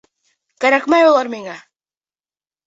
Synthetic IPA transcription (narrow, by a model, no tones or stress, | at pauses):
kaɾakmajolaɾmɪŋa